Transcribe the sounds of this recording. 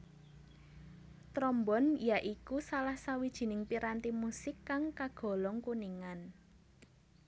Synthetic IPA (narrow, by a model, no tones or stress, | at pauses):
t̪ɾɔmbɔnjaʔikusalahsawid̥ʒ̥i̤nɪŋpiɾant̪imusɪkːaŋkaɡ̥ɔ̤lɔŋkuniŋan